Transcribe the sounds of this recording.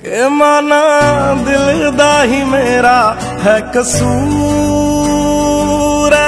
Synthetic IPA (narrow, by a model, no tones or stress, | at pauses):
eːmaːnaːd̪ɪld̪aːɦiːmeːɾaː | ɦɛkəsuː | ɾɛ